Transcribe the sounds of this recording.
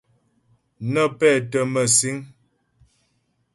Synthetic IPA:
nə˦˨pɛː˦˨tə˨mə˨si˦ŋ

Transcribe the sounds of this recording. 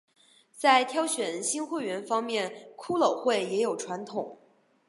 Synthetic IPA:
t͡sa˥˩ɪt̪ʰjɑ˥ʊɕɥɛ˨˩nnɕi˥nxwe˥˩ɪɥɛ˧˥nfɑ˥ŋmjɛ˥˩nkʰu˥lo˨˩ʊxwe˥˩ɪjɛ˧˥jo˨˩ʊʈ͡ʂʰwa˧˥nt̪ʰʊ˨˩˦ŋ

